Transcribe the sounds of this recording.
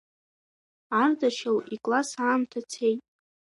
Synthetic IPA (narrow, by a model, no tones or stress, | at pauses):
ardaʃawikʼlasaːmtʰat͡sʰejtʼ